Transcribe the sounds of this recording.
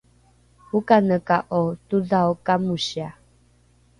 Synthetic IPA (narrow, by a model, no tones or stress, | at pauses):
hukanəkaʔot̪uðaokamuɕia